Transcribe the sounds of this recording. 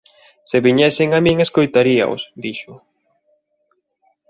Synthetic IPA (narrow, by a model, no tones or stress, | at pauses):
seβiɲɛsɪŋamĩŋeskojt̪aɾia̰o̰sd̪iʃʊ